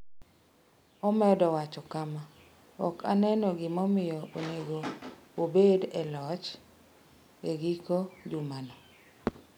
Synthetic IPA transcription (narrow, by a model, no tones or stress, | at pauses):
ɔmɛdɔwat͡ʃɔkama | ɔ̰kʰa̰nɛnɔɡɪmɔmɪjɔoneɡoobedɛlɔt͡ʃ | eɡikod͡ʒumanɔ